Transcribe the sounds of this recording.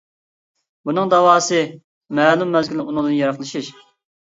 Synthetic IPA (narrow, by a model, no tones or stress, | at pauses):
bunɨŋd̪ɑwɑːsɨ | mɛːlˠumːɛzɡʲylunɨŋd̪ɨnjɑɾɑχlˠɨʃiʃ